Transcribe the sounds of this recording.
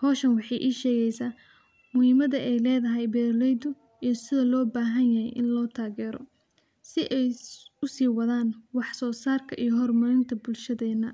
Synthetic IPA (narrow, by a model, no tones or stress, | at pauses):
hɔːʃɐnwɑħɑjʔiːʃɛːɣɛjsaː | mʊhɪmɐðɐʔɛjlɛːðɐɦɛjbɛːɾlɛjd̪ʊ | ijɔsɪðɐlɔːbaːɦɐnjɐɦɛ̰jʔɪnlɔːt̪ʰaːɣɛːɾɔ̰ | sɪʔɛjʊsiːwɐðaːnwɑħsɔːsaːrkʰɐʔijɔɦɔrmɐɾɪnt̪ʰɐbʊlʃɐðɛːnɐ